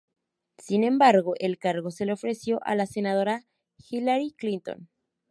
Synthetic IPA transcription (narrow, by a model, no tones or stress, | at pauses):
sinẽ̞mbaɾɣo̞ʔe̞lkaɾɣo̞se̞leo̞fɾe̞sjo̞ʔa̰lase̞nað̞o̞ɾa | xilaɾiklint̪o̞̰n